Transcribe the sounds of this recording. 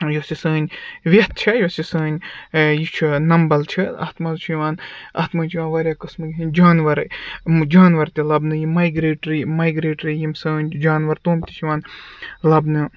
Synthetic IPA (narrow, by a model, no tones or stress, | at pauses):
josisəːnʲʋʲet̪̚t͡ʃʰɐjosʲisəːnʲjit͡ʃʰunɐmbɐlt͡ʃʰiɐ̰t̪mazt͡ʃʰjiʋaːnɐt̪mɐːnʲt͡ʃʰiʋaːnʋɐɾʲjaːkɨsmɨɡʲiɦinʲd͡ʒaːnʋɐɾɨd͡ʒaːnʋɐɾt̪ʲilɐbnɨjimaːjɡɾeːʈɾimaːjɡɾeːʈɾijimsəːnʲd͡ʒaːnʋɐɾt̪oːmt̪ʲi̥t͡ʃʰiʋaːnlɐbnɨ